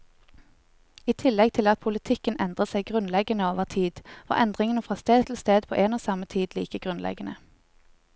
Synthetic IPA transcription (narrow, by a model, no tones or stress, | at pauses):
iːt̪ʰɪlːɛɡ̚t̪ʰɪlɑt̪̚pʰʊlət̪ʰɪkənɛnd̪ʁəsæɪɡʁʉnlɛɡənəoːʋəʁt̪ʰiːd̪̥o̰ːʔɛnd̪ʁɪŋənəfʁɑːst̪eːd̪t̪ʰɪlst̪eːd̪̚pʰo̰ːʔeːnoːsɑmət̪ʰiːd̪liːkəɡʁʉnlɛ̰ɡənə